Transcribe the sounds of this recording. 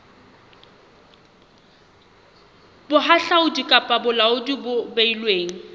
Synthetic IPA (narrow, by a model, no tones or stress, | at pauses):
bʊɦaɬaʊdikʼapʼabʊlaʊdibʊbeilweːŋ̩